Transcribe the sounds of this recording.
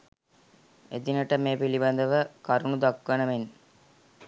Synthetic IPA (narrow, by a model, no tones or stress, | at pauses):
ed̪inəʈəmeːpiliband̪əʋəkaɾunud̪akʋənəʋen